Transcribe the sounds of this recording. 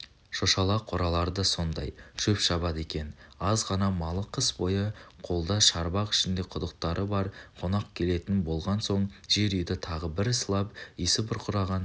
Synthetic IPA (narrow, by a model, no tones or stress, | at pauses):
ʃoʃɑlˠɑqʰoɾɑlˠɑɾd̪əso̞nd̪ɑjʃʰɵpʃɑβɑd̪e̞kʲe̞nɑzʁɑnɑmɑlˠəqʰəsbo̞jəqʰo̞lˠd̪ɑʃɑɾbɑqɪ̥ʃɪnd̪e̞qʰʊd̪əq̚t̪ɑɾʔəbɑɾqʰo̞nɑqkʲʰe̞le̞t̪ɪnbo̞lˠʁɑnso̞ɴʒ̥e̞ɾʏjd̪ɪt̪ʰɑʁəbɪɾslˠɑpisɪbʊɾqʰʊɾɑʁɑn